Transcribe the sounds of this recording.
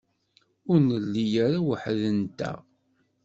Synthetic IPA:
ʊɾnəlːijaɾawəħðənt̪æ̰

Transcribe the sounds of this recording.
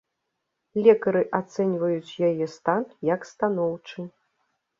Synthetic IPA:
lʲɛkɐɾɨʔat̪sɛnʲvɐjut͡sʲjajɛst̪anjɐkst̪anɔwt͡ʂɨ

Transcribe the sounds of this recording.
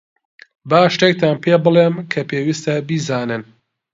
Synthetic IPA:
baːʃt̪ek̚t̪ʰaːnpʰeːbɨlˠeːmkʰɐpʰeːwist̪ɐbiːzaːnɨn

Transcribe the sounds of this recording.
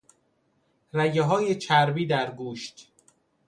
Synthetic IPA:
ræjeɦɒːjet͡ʃʰæɾbiːd̪æɾɡuːʃt̪

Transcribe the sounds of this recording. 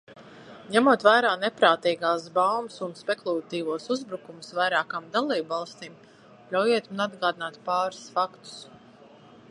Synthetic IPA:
ɲæmuɔt̪væːjɾaːnepɾaːt̪iːɡaːs̬bawmsunspeklˠulˠat̪iːvuɔsuzbɾukumʊsvajɾaːkaːmd̪alˠiːbvɑlˠst̪iːm | ʎʲawjeɛt̪munad̪ɡaːd̪inaːt̪pɑːɾsfakt̪u̥s

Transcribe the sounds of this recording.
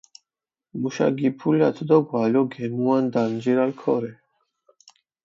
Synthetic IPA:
muʃa̰ɡipʰuljat̪ʰd̪ɔɡwaljɔɡɛmuand̪and͡ʒiɾalkʰɔɾɛ

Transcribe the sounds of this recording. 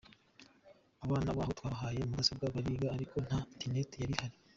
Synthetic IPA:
aβaːnaβaːhotwaːɦaːje̞umuɡasob̚ɡaːβaɾiːɡaːɾikʰo̞n̥haintenetijaɾihaɾi

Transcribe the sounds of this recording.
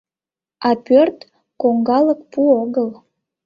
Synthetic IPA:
ɑpørt̪ | koŋɡɑlək̚puoɣəl

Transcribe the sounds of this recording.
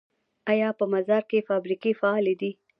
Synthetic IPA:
ajɑpəmazɑɾkefɑbɾikefaɑled̪i

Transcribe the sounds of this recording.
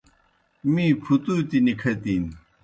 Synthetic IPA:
mipʰut̪ut̪inikʰat̪in

